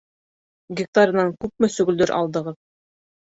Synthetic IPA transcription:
ɡʲɪk̚t̪aɾʲɤ̆nɑŋkʉp̚mɘsɵ̆ɡɘ̆ld̪ɘɾʔɑ̰lˠd̪ɤ̆ʁɤð

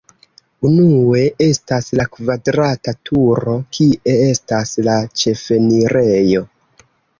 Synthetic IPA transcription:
unue̞e̞staslakvadɾatatʰuɾo̞kʰiʔe̞e̞staslat͡ʃe̞fe̞niɾe̞jo̞

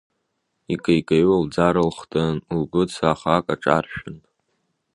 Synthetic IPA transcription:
ikʼajkʼaɥald͡zaɾɨlχtʼanubʊt͡sʰaːχakʼaʈ͡ʂʼarʃᶣʊn

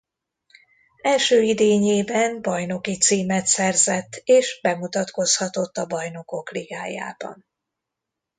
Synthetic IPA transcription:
ɛlʃøːid̪eːɲeːbɛmbɒjno̞kit̪siːmɛt̪sɛrzɛt̪ːeːʃbɛmut̪ɒt̪ko̞shɒt̪o̞t̪ːɒbɒjno̞kokliɡaːja̰ːb̥ɒ̰n

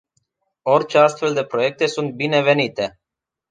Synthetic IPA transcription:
o̞rt͡ʃe̞ast̪fe̞ld̪e̞pɾo̞je̞k̚t̪e̞sunt̪̚bine̞ve̞nit̪e̞

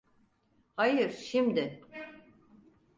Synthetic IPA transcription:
hajɯɾʃimd̪ɪ

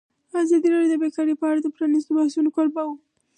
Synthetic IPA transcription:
azɑd̪iɾɑdjod̪əbekɑɾepəaɽad̪əpɾɑnis̬t̪obahsunokoɾbawu

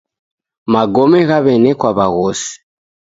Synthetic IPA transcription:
maɡɔmɛɣaβɛnɛkwaβaɣɔsi̥

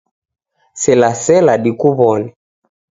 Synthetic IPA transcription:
sɛlasɛlaɗikuβɔnɛ

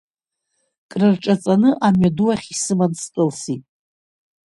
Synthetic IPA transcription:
kʼrɨrʈ͡ʂʼat͡sʼanɨʔamɥaduwaχʲisɨmanstʼɨlsitʼ

